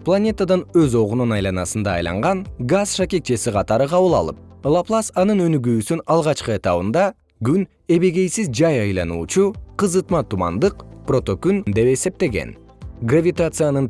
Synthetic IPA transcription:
plˠanʲe̞t̪ad̪ɑnøzo̞ʁununɑjlˠɑnɑsɯnd̪ɑ̰ːjlˠɑ̰ɴʁɑnɡazʃakʲek̪̚t͡ʃe̞siqʰɑt̪ɑɾɯqʰɑβɯlˠɑ̰lˠɯp̚lˠaplˠasɑnɯnø̞nyɡyːsynɑlˠʁɑt͡ʃqɯe̞t̪ɑβɯnd̪ɑ | ɡyn | e̞βeɡe̞jsizd͡ʒɑjɑjlˠɑnṵːt͡ʃuqɯzɯt̪mɑt̪umɑ̰nd̪ɯqpro̞t̪o̞kynd̪e̞pe̞se̞p̚t̪e̞ɡe̞̰n | ɡravʲit̪at̪sɨjanɯn

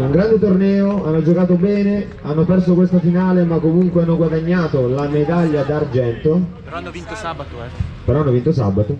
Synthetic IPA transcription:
uŋɡɾand̪et̪ornɛːoanːod͡ʒokaːt̪obɛːne | anːopɛrsokwest̪afinaːlemakːomuŋkweanːoɡwad̪aɲːaːt̪olamed̪aʎːad̪ard͡ʒɛnt̪o | peɾɔanːovint̪osa̰bːat̪o

